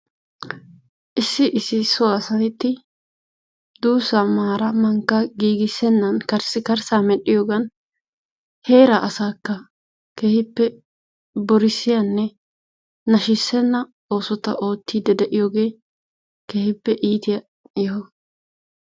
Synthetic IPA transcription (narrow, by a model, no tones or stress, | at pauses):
ʔɪsːɪʔɪsːɪsɔaːsɐt̪ɪt̪ːɪ | d̪uːsɐmaːɾɐmɐŋkːɐɡiːɡɪsːɛnːɐnkɐɾsɪkɐɾsaːmɛɗɪjoːɡɐn | he̞ːɾɐʔɐsaːkːɐ | keːhɪpːɛ | bɔɾɪsːɪjɐnːɛ | nɐʃɪsːɛnːɐ | o̞ːsɔt̪ɐʔo̞ːt̪ːiːd̪ɛd̪ɛʔɪjoːɡe̞ː | keːhɪpːɛʔiːt̪ɪjɐ | ɪj